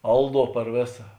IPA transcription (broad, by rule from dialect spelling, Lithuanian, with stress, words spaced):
ˈɐlˠˌduɔ pɐr ˈʋʲeːsɐ